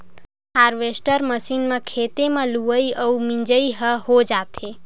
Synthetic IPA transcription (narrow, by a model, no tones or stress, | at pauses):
haːɾʋesʈəɾməsinmãkʰet̪emãluʋəiʔəumĩɲd͡ʒəiɦəɦod͡ʒat̪ʰe